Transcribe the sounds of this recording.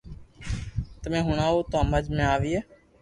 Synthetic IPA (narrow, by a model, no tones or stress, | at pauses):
t̪əmẽːɦʊɳãːoːt̪oãːməd͡ʒmẽːaːʋiːeː